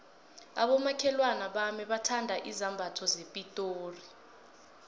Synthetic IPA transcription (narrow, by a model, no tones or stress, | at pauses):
a̰ɓɔmakʰɛlwanaɓamiɓatʰandʱaʔizambʱatʰɔzepʼitʼoːri